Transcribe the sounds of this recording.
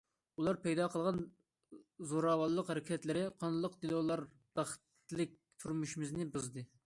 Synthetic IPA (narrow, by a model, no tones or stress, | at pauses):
ulˠɑɾpʰɛjd̪ɑqʰəlˠʁɑn | zoɾɑwɑlˠːəqhæɾɪkʲʰɛt̪lɪɾɪqʰɑnlˠːəqd̪ilˠolˠɑɾ | d̪̥ɑχə̥t̪lɪk̚ʲ | t̪ʰuɾmuʃimɪznɪbɨzd̪ɨ